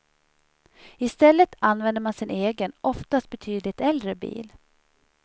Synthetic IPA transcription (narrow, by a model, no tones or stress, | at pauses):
ɪst̪ɛlːət̪anːvɛnd̪əɾmansɪnʔeːɡənʔɔft̪ast̪̚bɛt̪ʰyːd̪lɪt̪ɛld̪ɾəbḭːl